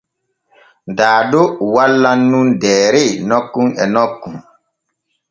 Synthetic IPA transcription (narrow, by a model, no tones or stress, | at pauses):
daːdɔwalːanːundɛːɾɛnɔkːunɛ̰nɔkːun